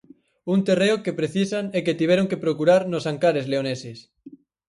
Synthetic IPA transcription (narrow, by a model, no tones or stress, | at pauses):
unt̪ereokepɾeθisaneket̪iβeɾoŋkepɾokuɾaɾnosaŋkaɾezleoneses